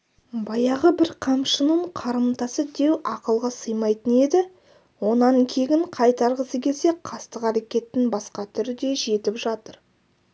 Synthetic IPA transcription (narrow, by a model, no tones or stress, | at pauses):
bɑjɑʁəbɪɾqʰɑmʃənəɴqʰɑɾəmt̪ɑsəd̪e̞wɑqəlˠʁɑsəjmɑjt̪əne̞d̪ɪ | wo̞nɑŋkʲʰe̞ɡʲɪɴqʰɑjt̪ɑɾʁəsəkʲʰe̞lse̞qʰɑst̪əqæɾekʲe̞t̪ːɪnbɑsqɑt̪ʰʏɾɪɡ̪ʲe̞ʒe̞t̪ɪpʒɑt̪əɾ